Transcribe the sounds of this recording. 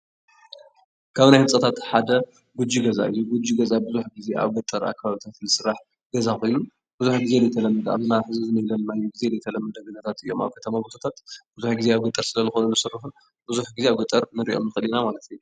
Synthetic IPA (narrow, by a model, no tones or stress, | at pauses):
kʰaβnajhɨsʼɐt̪ʰat̪ħad̪ɐ | ɡud͡ʒːiɡɐza̰ʔɨ̰jːuɡud͡ʒːiɡɐzabɨzuħɡize̞ʔa̰βɡɨt̪ʼɐɾa̰kʰːaβaβit̪ʰat̪nɨsɨɾːaħ | ɡɐzako̞jnu | bɨzuħɡize̞lɐjt̪ʰɐlɐmːɐd̪a̰βzɨnaħɨzɨzɨnɐjlɐlnajːuɡize̞lɐjt̪ʰɐlɐmːɐd̪ɐɡɨnɐt̪ʰat̪ɨjːo̞ma̰βkʰɐt̪ʰɐmabot̪ʰot̪ʰat̪b̥ɨzuħɡizeaβɡɨt̪ʼɐɾsɨlɐzɨxonɐnɨsɨrːɨħu | bɨzuħɡize̞aβɡɨt̪ʼːɐɾnɨɾḭʔo̞̰mnɨxɨlinamalɐt̪ʰju